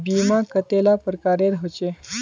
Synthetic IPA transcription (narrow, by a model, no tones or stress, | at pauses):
bimakət̪elapɾəkaɾeɾɦot͡ɕe